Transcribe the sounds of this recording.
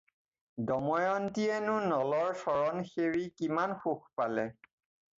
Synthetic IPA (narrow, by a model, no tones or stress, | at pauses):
dɔmɔjɔntiɛnʊ̃nɔlɔɹsɔɹɔnxeɹikimanxuxpalɛ